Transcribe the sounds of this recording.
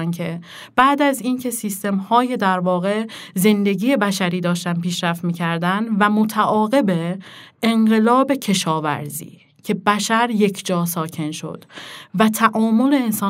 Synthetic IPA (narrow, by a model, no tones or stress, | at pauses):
ncʰe̞ | b̥æːd̪æziːncʰe̞siːst̪e̞mhɒːje̞d̪æɾvɒːɣe̞ze̞nd̪e̞ɡiːje̞bæʃæɾiːd̪ɒːʃt̪ænpiːʃɾæft̪miːcʰæɾd̪ænd̪væmot̪ʰæʔɒːɣe̞be | eŋɢe̞lɒːbe̞cʰe̞ʃɒːvæ̰ɾzḭː | cʰe̞bæʃæɾje̞cʰd͡ʒɒːsɒːcʰe̞nʃo̞̰d̪̥væt̪ʰæʔɒːmo̞le̞ːnsɒː